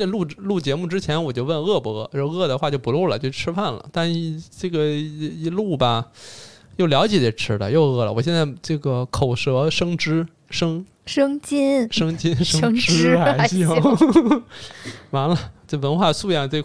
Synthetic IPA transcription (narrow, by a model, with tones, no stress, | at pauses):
lu˥˩lu˥˩t͡ɕjɛ˧˥mu˥˩ʈ͡ʂɻ̩˥t͡ɕʰjɛ˧˥nwɔ˨˩t͡ɕjo˥˧ʊwə˥˩n˧ɣɤ˥˩pu˧˥ɤ˥˩ɤ˥˧ɤ˥˩d̪ə˩xwa˥˧t͡ɕjo˥˩ʊpu˧˥lu˥˩lə̰˨˩t͡ɕjo˥˧˩ʊʈ͡ʂʰɻ̩˥pʰa˥˩nlə̰˩t̪a˥˧n̩˥˧ʈ͡ʂɤ˥˩ɡə˩˧i˧˥lu˥˩bɐ˩ | jo˥˩ʊljɑ˧˥ʊt͡ɕjɛ˨˩d̪ɛ˨˩ʈ͡ʂʰɻ̩˥lə̰˨jo˥˧ʊɤ˥˩lə̰˩wɔ˨˩ɕjɛ˥˧nt͡sa˥˩ɪʈ͡ʂɤ˥˩ɡə˩kʰo˨˩ʊʂɤ˧˥ʂɤ˥ŋʈ͡ʂɻ̩˥ | ʂɤ˥ŋ | ʂɤ˥ŋt͡ɕi˥nʂɤ˥ŋt͡ɕi˥nʂŋ˥ŋɻ̩˥a˥ɪ˧ɕ | ma˧˥nlə˧ʈ͡ʂɤ˥˩wə˧˥nxwa˥˧su˥˧jɑ˥˩ʈ͡ʂe˥˩